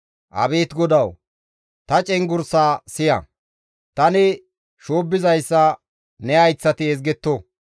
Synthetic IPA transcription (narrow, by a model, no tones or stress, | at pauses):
ʔɐ̰beːt̪ɡɔd̪ɐw | t̪ɐt͡ʃʼɛŋɡʊɾsaːsɪjɐ̰ | t̪ɐnɪ | ʃoːbːɪzɐjsːɐ | nɛɐjt͡sːɐt̪ɪɛzɡɛt̪ːo